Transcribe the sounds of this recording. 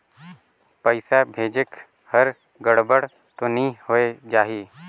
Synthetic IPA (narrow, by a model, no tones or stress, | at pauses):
pəɪsabʱeːd͡ʒɪk | həɾ | ɡəɽbəɽ | t̪onĩhoːed͡ʒaːɦiː